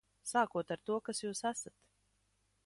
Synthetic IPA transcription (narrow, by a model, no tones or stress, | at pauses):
saːkuɔt̪aɾt̪uɔkasjuːsæsat̪